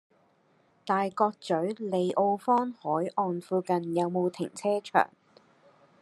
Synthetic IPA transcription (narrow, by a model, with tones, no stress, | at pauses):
t̪aː˨jkɔː˧k̚t͡sɵ˨˥ɥle˨˧jʔo˧wfɔː˥nhɔː˨˥jʔɔː˧nfuː˧kɐ˨˧njɐ˨˧wmo˨˧wt̪ʰɪ˨˩ŋt͡sʰɛː˥t͡ʃʰœ̰ː˨˩ŋ